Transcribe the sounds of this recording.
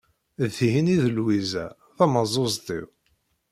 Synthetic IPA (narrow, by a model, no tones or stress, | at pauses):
ðθihiniðəlwizæ̰ | θæməzˤozˤt̪ˤḭw